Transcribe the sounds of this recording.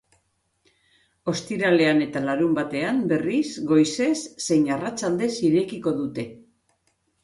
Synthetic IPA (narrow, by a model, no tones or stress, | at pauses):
o̞st̪iɾale̞ane̞t̪alaɾumbat̪e̞ambe̞risɡo̞jse̞sːe̞jnarat͡ʃald̪e̞siɾe̞kiko̞ðut̪e̞